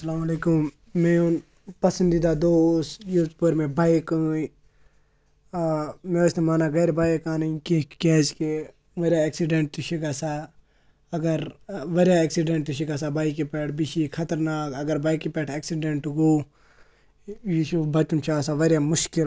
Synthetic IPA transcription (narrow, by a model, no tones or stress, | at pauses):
sɐlaːmɐleːkumː | ẽun | pɐsə̃nd̪id̪ad̪oːsjutpəɾmẽbaːjku | mẽʊsnemaːnaɡɐːɾbaːjekaːniĩkekeːd͡ʒke | ʋɐɾjaeksiɖeɳʈt̪uʃiɡaːsaː | ɐɡəɾʋɐɾjaeːksiɖẽɳʈuʃiɡas̬abaːikipɛːʈʰbiʃikʰɐt̪ɐɾnaːkɐɡəɾbaːikipɛːʈʰeːksiɖeɳʈuɡoː | jiʃubɐt͡ʃunt͡ʃʰaːsaʋɐɾjamʊʃkɪl